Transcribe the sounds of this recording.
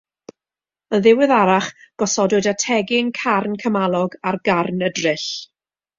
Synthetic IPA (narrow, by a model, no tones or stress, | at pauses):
ənðɪwɪðaɾaχɡ̥ɔsɔdʊdatʰɛɡɪŋkʰarnkʰəmalˠɔɡarɡarnədrɨɬ